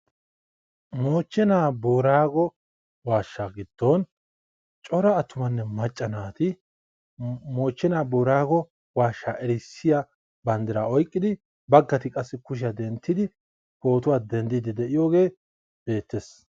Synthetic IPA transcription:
mo̞ːt͡ʃːɛnaːboːɾaːɡɔ | waːʃːaɡɪd̪̥ːoːn | t͡ʃʼɔɾɐːt̪ːʊmɐnːɛmɐt͡ʃʼːɐnaːt̪ɪ | mo̞ːt͡ʃːɛnaːboːɾaːɡɔ | waːʃːaːʔɛɾɪsːɪja | bɐnd̪ɪɾaɔjkʼːɪd̪ɪ | bɐɡːɐt̪ɪkʼɐsːɪkʊʃ̬ɪjɐd̪ɛnt̪ːɪd̪ɪ | ho̞ːt̪ʊwaːd̪ɛnd̪ɪd̪ɪd̪ɛʔɪjoːɡe̞ː | b̥e̞ːt̪ːeːs

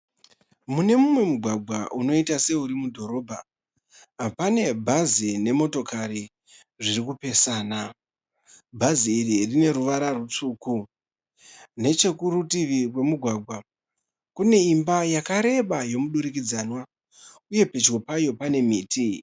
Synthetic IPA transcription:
mune̞mumwe̞muɡʱwaɡʱwaʔuno̞itase̞uɾimudʱo̞ɾo̞bʱaː | pane̞bʱazine̞mo̞to̞kaɾi | ʐirikupe̞saːna | bʱaziːririne̞ɾuʋaɾarut͡suːku | ne̞t͡ʃe̞kuɾutiʋiwe̞muɡʱwaːɡʱwa | kune̞imbajakaɾe̞ɓajo̞muɗuɾik̬id͡zanwa | uje̞pe̞t͡ʃko̞pajo̞pane̞miːtʰi

